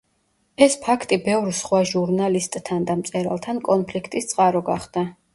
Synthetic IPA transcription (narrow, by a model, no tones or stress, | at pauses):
ɛspʰakʰt̪ʼibɛvɾsχwaʒuɾnalist̪ʼːʰand̪amt̪sʼɛɾa̰lˠt̪ʰankʼɔnpʰlikʰt̪ʼist̪sʼqʼaɾɔɡaχd̪a